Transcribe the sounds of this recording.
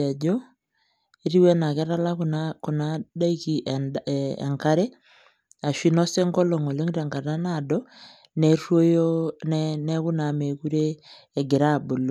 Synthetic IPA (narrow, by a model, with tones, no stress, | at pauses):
a˨d͡ʒo˦ | i˦ɾi˦wɛ˦na˨kɛ˦ɾa˦la˦ku˨na˦da˦i˦ki˨ʔḛ˨ŋka˦ɾe˦ | a˨ʃi˦nɔ˦se˦ŋɡɔ˦lo˨ŋo˨le˦ŋɾɛ˨ŋɡa˨ta˦na˦˨dɔ˦ | nɛ˦rwo˦jo˦nɛnɛ˦ku˦na˨me˨ku˦ɾeː˦˨ | ɡɪ˨ɾa˦˨bo˨lo˨